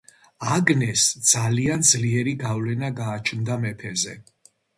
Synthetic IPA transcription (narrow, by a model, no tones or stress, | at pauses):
aɡnɛsd̪z̥aliand̪zliɛɾiɡavlɛnaɡaːt͡ʃʰnd̪amɛpʰɛzɛ